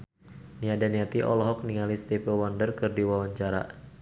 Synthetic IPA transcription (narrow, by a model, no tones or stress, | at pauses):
niadaniat̪iʔɔ̰lɔɦɔk̚niŋalist̪ipɛwɔndərkɨrdiwawaɲt͡ʃaɾa̰